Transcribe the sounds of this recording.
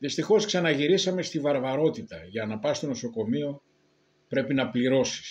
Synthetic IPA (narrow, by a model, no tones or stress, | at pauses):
ðist̪ixo̞sksɐnɐʝiɾisɐme̞st̪ivɐɾvɐɾo̞t̪it̪ɐʝɐnɐpɐst̪o̞no̞so̞ko̞mio̞ | pɾe̞pinɐpliɾo̞si̥s